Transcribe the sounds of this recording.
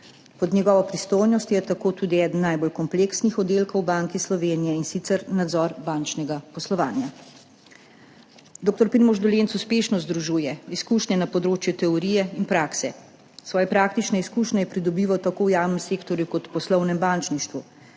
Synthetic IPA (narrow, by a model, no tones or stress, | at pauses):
pɔd̪ɲʲjɛɡɔːʋɔpɾist̪oːjnɔst̪jɛt̪akoːt̪uːd̪iɛːd̪n̩ːajbolkɔmpleːksnixɔd̪elkowbaŋkislɔʋeːnijɛinsit̪sɛɾnad̪zɔːɾbaːnt͡ʃnɛɡapɔslɔʋa̰ːnja | d̪oːk̚t̪ɔɾpiɾmɔʒd̪ɔlentsuspeːʃnɔzd̪ɾuʒuːjɛiskuːʃɲɛnapɔd̪ɾoːt͡ʃjut̪ɛɔɾiːjɛinpɾaːksɛ | sʋɔːjɛpɾaːkt̪it͡ʃnɛiskuːʃɲʲɛjɛpɾid̪ɔbiːʋawt̪akowjaːwnɛmseːkt̪ɔɾjukɔt̪pɔslɔwnɛmbant͡ʃniʃt̪ʋu